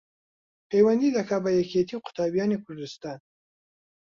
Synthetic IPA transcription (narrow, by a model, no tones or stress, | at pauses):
pejwand̪id̪akabajakʰet̪ʰiqʊ̥t̪ɑbjɑnekʰʊɾd̪ɪst̪ɑn